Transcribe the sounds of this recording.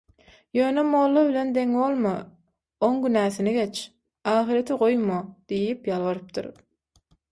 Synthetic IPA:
jø̞ːnemoːlˠːɑβile̞nd̪e̞ŋolˠmɑ | oŋɡynæːθineɡe̞t͡ʃ | ɑːxiɾet̪ʰiʁo̞jmod̪̥ijipjɑlˠβɑɾɯp̚t̪ʰɯ̰ɾ

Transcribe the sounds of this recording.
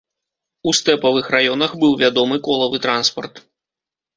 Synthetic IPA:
ust̪ɛpɐvɨxrajɔnɐxbɨwvʲad̪ɔmɨkɔlˠɐvɨt̪ɾanspɐrt̪

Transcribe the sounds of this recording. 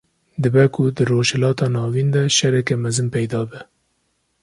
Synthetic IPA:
d̪ɨbɛkʰʊd̪ɨɾoːʃhɛlɑːt̪ɑːnɑːviːnd̪ɛʃɛɾɛkɛmɛzɨnpɛjd̪ɑːbɛ

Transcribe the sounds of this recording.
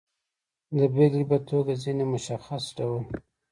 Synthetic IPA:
ləbeɡlipat̪ʰoɡazinemʊʃaxasɖawəl

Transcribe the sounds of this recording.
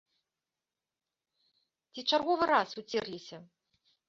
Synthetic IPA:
t͡sʲit͡ʂarɣɔvɨɾasut͡sʲɛrlʲisʲɐ

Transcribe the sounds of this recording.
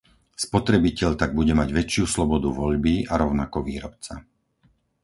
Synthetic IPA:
spɔt̪ɾɛbicɛʎt̪aɡ̚buɟɛmaɟʋɛt͡ʃɪuslɔbɔd̪uʋɔʎbiaɾɔʊnakɔʋiːɾɔpt͡sa̰

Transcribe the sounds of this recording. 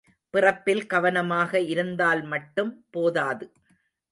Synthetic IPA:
pɪrɐpːɪlkɐʋɐnɐmaːɣɐɪɾɯnd̪aːlmɐʈːɯmpoːðaːðɯ

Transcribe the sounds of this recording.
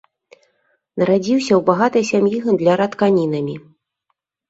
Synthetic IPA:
nɐɾad͡zʲiwsʲɐwbaɣat̪ɐjsʲamjiɣɐmd̪lʲɐɾɐt̪kanʲinɐmʲi

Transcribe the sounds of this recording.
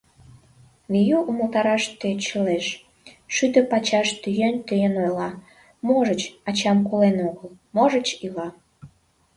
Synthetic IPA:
mijuʔuməlt̪ɑɾɑʃt̪øt͡ɕəleʃ | ʃyt̪ə̆pɑt͡ɕɑʃt̪yjent̪øjənojlɑ | moʒət͡ɕɑt͡ɕɑmkolenoɣəlˠmoʒət͡ɕilɑ

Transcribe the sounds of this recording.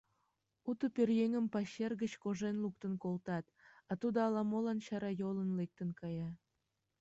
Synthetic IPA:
ut̪əperjeŋəmpɑɕerɣət͡ɕkoʒenluk̚t̪ənkolt̪ɑt̪ɑt̪ud̪oɑlɑmolɑnɕɑɾɑjolənlek̚t̪ənkɑjɑ

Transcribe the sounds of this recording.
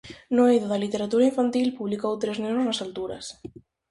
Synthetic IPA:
noejðoðalit̪eɾat̪uɾaĩɱfant̪ilpuβlikowt̪ɾeznenoznasalt̪uɾɐ̰s

